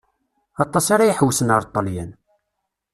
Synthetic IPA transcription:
ɑt̪ˤːɑsaɾajəħwsənɑɾˤt̪ˤːɑljæn

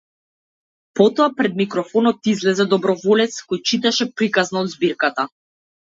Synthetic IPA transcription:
pɔt̪ɔapɾɛd̪̚mikɾɔfɔnɔt̪izlɛzɛd̪ɔbɾɔvɔlɛt̪skɔjt͡ʃit̪ɛʃɛpɾikaznaɔd̪zbiɾkat̪a

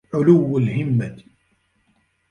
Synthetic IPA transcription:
ʕʊlʊwːalhɪmːa

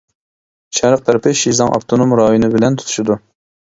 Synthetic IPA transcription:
ʃɛɾəq̚t̪ʰæɾɪpɪʃizɑŋʔɑ̰p̚t̪ʰonomɾɑːjonɨbɪlɛnt̪ʰu̥t̪ʰu̥ʃid̪u

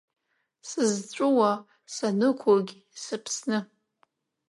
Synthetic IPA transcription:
sɨzt͡ɕʷʼʊwa | sanɨkʷʰoɡʲ | sɨpʰsnɨ

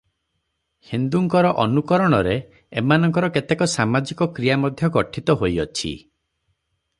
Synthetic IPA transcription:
hind̪uŋkɔɾɔʔɔnukɔɾɔɽ̃ɔɾe | emanɔŋkɔɾɔket̪ekɔsamad͡ʒikɔkɾijamɔd̪ʱjɔkɔʈʰit̪ɔɦojɔt͡ʃʰḭ

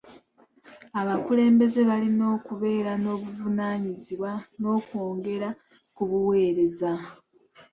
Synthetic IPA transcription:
aβakule̞ːmbe̞ze̞βalino̞ːkuβe̞ːɾano̞ːβuvunaːɲiziβwano̞ːko̞ːŋɡe̞ɾa | kuβuwe̞ːɾe̞za

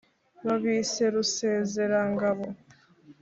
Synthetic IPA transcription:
βaβiːse̞ɾuse̞ːze̞ɾaŋɡaβo

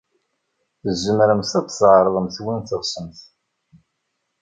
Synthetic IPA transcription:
θəzːəmɾəmθæt͡sːsʕɾˤəðˤəmθwinθəʁsəmθ

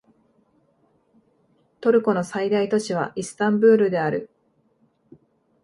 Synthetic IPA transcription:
t̪o̞ɾɯ̟ko̞no̞said̪ait̪o̞ɕiβ̞aʔisɨ̥t̪ãmbɯ̟ːɾɯ̟d̪e̞aɾɯ̟

